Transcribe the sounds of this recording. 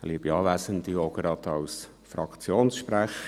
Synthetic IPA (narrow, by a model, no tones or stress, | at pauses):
liəbiɑːʋæsənt̪ioɡɾɑt̪ɑws | fɾɑkʰt͡sjoːnsʃpɾæχ